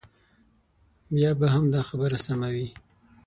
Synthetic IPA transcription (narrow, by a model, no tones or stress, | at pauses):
bjɑbaɦamd̪ɑxabəɾasamawi